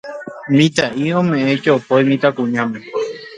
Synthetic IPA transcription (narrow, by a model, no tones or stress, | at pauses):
mĩt̪aʔiõmẽʔẽt͡ʃoopojmĩt̪akũɲãmẽ